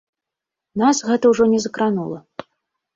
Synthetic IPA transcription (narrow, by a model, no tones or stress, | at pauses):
nasɣɛt̪ɐwʐɔnʲɛzɐkɾanulˠɐ